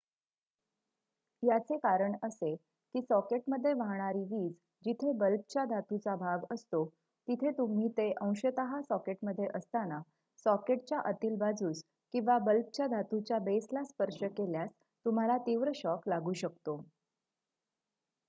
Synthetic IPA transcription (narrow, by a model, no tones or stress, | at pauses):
jat͡sekaɾəɳəse | kiːsɔkeʈməd̪ʱːjeʋaɦɳ̃aɾiːʋiːd͡z | d͡ʑit̪ʰebəlp̚t͡ɕjad̪ʱat̪ut͡sabʱaɡəst̪o | t̪it̪ʰet̪um̤iːt̪eʔə̃w̃ɕət̪əɦasɔkeʈməd̪ʱːjeʔəst̪ana | sɔkeʈ̚t͡ɕjaʔət̪iːlbad͡zuːt͡s | kĩw̃ʋabəlp̚t͡ɕjad̪ʱat̪ut͡ɕjabeslaspəɾʂəkeljas | t̪um̤alat̪iʋɾəɕɔklaɡuːɕəkt̪o